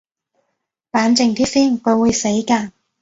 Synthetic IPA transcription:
paː˨˥nt͡sɪ˨˧ŋt̪ʰiː˥siː˥˩nkɵ˨˧wuː˨˧jse˨˥jkaː˧

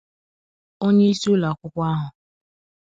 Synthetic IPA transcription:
o˦ɲe˦i˦su˦la˨kʷʊ˦kʷa˦ɦʊ˨

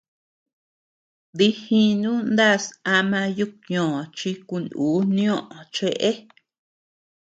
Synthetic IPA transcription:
ði˦hĩ˦nũ˦nd̪a˦˨sa˧mã˧ju˦kɲõ˨t͡ʃi˧ku˧nuː˨˦nĩ˦õ˦ʔõ˨t͡ʃe˧ʔe˦

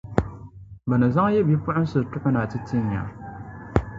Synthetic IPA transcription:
bə˨nɨ˨za˦ŋ˦je˦bi˦pʊ˦ʊ˦n˦sɨ˨tʊ˦ʔʊ˦na˨tɨ˦ti˦ɲ˨a̰˨

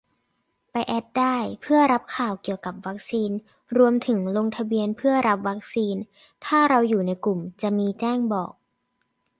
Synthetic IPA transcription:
pa˧jʔɛ˦˥t̪̚daː˥˩jpʰɯ˥˩ɐɾa˦˥p̚kʰaː˨˩wki˨˩əwka˨˩p̚wa˦˥k̚siː˧n | ɾu˧əmt̪ʰɯ˩˦ŋlo˧ŋt̪ʰa˧bi˧ənpʰɯ˥˩ɐɾa˦˥p̚wa˦˥k̚siː˧n | t̪ʰaː˥˩ɾa˧wjuː˨˩na˧˥jku˨˩mt͡ɕa˨˩miː˧t͡ɕɛː˥˩ŋbɔː˨˩k̚

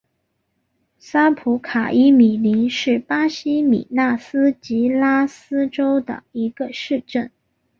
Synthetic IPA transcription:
sa˥pʰu˧˥kʰa˨˩ʔi˥mi˨˩li˧˥nʂɻ̩˥˩pa˥ɕi˥mḭ˨˩na˥˩sɹ̩˥t͡ɕi˧˥la˥sɹ̩˥ʈ͡ʂo˥ʊd̪ə̰˩i˧˥ɡ̥ə˧ʂɻ̩˥˧ʈ͡ʂə˥˩n

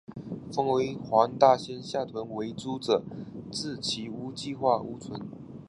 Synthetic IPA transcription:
fɤ˥ŋwe˧˥ɪxwɑ˧˥ŋt̪a˥˩ɕjɛ˥nɕja˥˩t̪ʰwə˧˥nwe˧˥ɪt͡su˥ʈ͡ʂɤ˨˩t͡sɹ̩˥˩t͡ɕʰi˧˥u˥t͡ɕi˥˧xwa˥˩u˥t͡sʰwə˧˦n

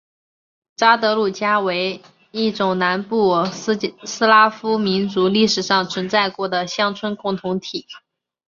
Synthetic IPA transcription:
ʈ͡ʂa˥t̪ɤ˧˥lu˥˩t͡ɕja˥we˧˥ɪ | i˥˩ʈ͡ʂʊ˨˩ŋna˧˥npu˥˩ | sɹ̩˥la˥fu˥mi˧˥nt͡su˧˥li˥˩ʂɻ̩˨˩ʂɑ˥˩ŋt͡sʰwə˧˥nt͡sa˥˩ɪkwɔ˧˥d̪ə˧ɕjɑ˥ŋt͡sʰwə˥nkʊ˥˩ŋt̪ʰʊ˧˥ŋt̪ʰi˨˩˦

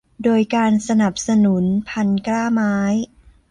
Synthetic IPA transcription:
doː˧jkaː˧nsa˧na˨˩p̚sa˧nu˩˦npʰa˧nklaː˥˩maː˦˥j

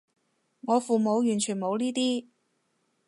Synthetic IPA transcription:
ŋɔː˨˧fuː˨mo˨˧wjyː˨˩nt͡ʃʰyː˨˩nmo˨˧wliː˥t̪iː˥

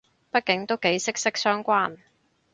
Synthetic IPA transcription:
pɐ˥t̚kɪ˨˥ŋt̪o˥wke˨˥jsɪ˥k̚sɪ˥k̚sœː˥ŋkʷaː˥n

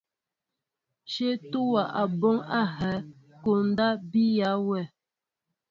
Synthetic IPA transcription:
ʃe˦tu˦wa˨ʔa˨bɔ˦ŋa˦ɦɛ˨˦ | ko˨n̩˦da˦bi˦ja˨˦wɛ˦˨

